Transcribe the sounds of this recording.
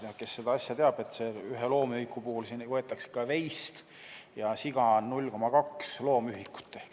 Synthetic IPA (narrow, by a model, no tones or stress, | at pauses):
jɑke̞sːed̪̥ɑɑsjɑt̪e̞ɑb̥e̞t̪ːse̞yɦelo̞ːmijkˑːupuhulsiːnvɤe̞t̪ːˑɑkse̥kːɑve̞jst̪ | jɑsiɡ̥ɑnnulʲko̞mɑkɑkslo̞ːmyɦikːu̥t̪ːehk